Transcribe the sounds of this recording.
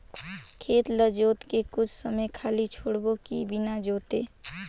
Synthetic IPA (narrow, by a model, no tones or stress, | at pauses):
kʰeːt̪ləd͡ʒoːt̪kekʊt͡ʃʰsəməjkʰaːlit͡ʃʰoːɽbõkḭbɪnad͡ʒoːt̪eː